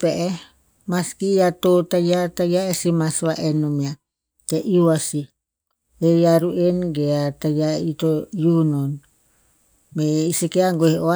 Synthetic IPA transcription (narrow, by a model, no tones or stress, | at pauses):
peʔe | maskijat̪ot̪ajat̪ajaesimasaʔenomia | t̪eʔiuwasi | ejaɾuʔenɡeat̪ajait̪ojunon | meisikeaŋɡoheʔoa